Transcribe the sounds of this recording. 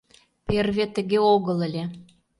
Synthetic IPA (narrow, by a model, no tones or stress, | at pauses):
perβʲet̪ə̆ɣeoɣə̆lə̆lʲe